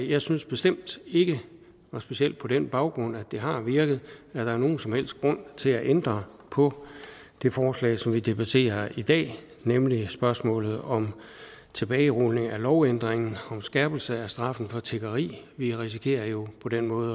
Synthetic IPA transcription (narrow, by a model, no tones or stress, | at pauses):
jɑ̈ɪsynsb̥e̝sd̥em̰d̥e̝ɡ̥ə | ɒsb̥e̝siel̰d̥̚pʰɒ̽denb̥ɑ̈ʊɡ̥ʁɔ̽n̰æd̥e̝ɦɑ̈ʋiɐɡ̥ð̞̩ˠæd̥ɑ̈æɐno̝ːn̩sɒ̽mhel̰sd̥ɡ̥ʁɔ̽n̰t͡sʰe̝læʔend̥ʁɐ | pʰɒ̽ | d̥e̝fɒːslɛ̰ːsɒ̽mʋid̥e̝b̥æt͡sʰe̝̰ːɐid̥ɛ̰ː | nemlisb̥ɶɐsmɔ̰̽ːlð̞̩ˠɒ̽mt͡sʰe̝b̥ɛːʁolne̝ŋælɒʊend̥ʁeŋn̩ɒ̽msɡ̥ɛɐb̥l̩səæsd̥ʁɑ̈fn̩fɒ̽t͡sʰe̝ɡ̥ɐʁḭːʋiʁis̬ikʰe̝̰ːɐjo̝pʰɒ̽d̥enmɔ̽ːð̩ˠ